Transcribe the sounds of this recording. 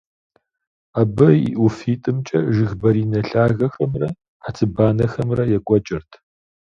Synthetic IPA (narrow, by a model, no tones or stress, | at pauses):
abɐḭʔufiːtʼɨmt͡ʃʼɐʒɨɣbɐɾiːnɐɬaːɣɐxɐmrɐ | ħat͡sʰɨbaːnɐxɐmrɐjɛkʷʼɔt͡ʃʼɪrtʰ